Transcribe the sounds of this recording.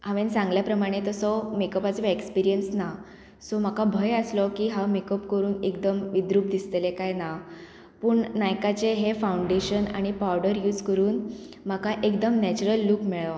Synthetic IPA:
aʋensãŋɡljapɾəmaɽ̃et̪əsɔmekəpat͡seʋekspiɾijənsna | sɔmakabʱəjəslɔkiːɦamekəpkəɾuːnek̚d̪əmʋid̪ɾuːp̚d̪ist̪elekajna | pəɳnajkat͡seɦefauɳɖeɕəna̰ɽ̃ipawɖəɾjuːd͡zkəɾuːn | m̤akaʔekd̪əmnɛt͡ɕuɾəlːukmɛɭa

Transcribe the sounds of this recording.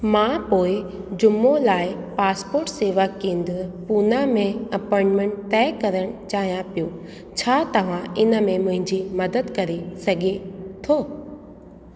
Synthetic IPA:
mãːpoːɪ | d͡ʑʊmːolaːɪpaːspoːɾʈseːʋakːẽːnd̪ɾpuːnamẽɐpɔːɪ̃ɳʈmə̃ɳʈt̪ɛːkɐɾəɽ̃t͡ɕaːɦijãpijoː | t͡ɕʰaːt̪ɐʋ̤ãɪnə̆mẽmʊ̃ɦɪ̃ɲd͡ʑimɐd̪əd̪kɐɾesɐɡʱet̪ʰoː

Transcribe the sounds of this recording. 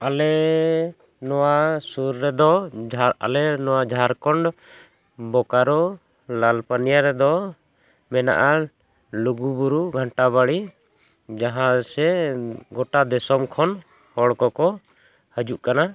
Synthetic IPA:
alɛ | nɔwasuɾːɛd̪ɔd͡ʒa̰lɛnɔwad͡ʒʱaɾkɔɳɖ | bɔkaɾɔ | lalpanijaɾɛd̪ɔ | mɛna̰ʔa | luɡubuɾuɡʱaɳʈabaɽi | d͡ʒaɦãsɛɡɔʈad̪ɛsɔmkʰɔn | hɔɽkɔkɔ | həd͡ʒuʔkana

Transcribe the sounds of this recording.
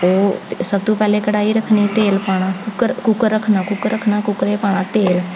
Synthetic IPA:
oːsəbt̪ũːpɛːleːkəɽaːiːɾəkʰneːt̪eːlpaːɽ̃aːkʊkəɾkʊkɾːəkʰnaːkʊkɾəkʰnaːkʊkɾeːpaːɳ̃ãːt̪eːl

